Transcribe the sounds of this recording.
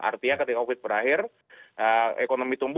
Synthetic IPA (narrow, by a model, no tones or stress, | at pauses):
a̰rt̪iɲakət̪ikaofɪt̪̚bəɾaɦɪr | əekonomit̪umb